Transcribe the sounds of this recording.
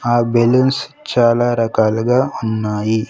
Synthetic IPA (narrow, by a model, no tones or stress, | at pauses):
aːbelɐnst͡ʃaːlaːɾɐkaːluɡaːunːaːji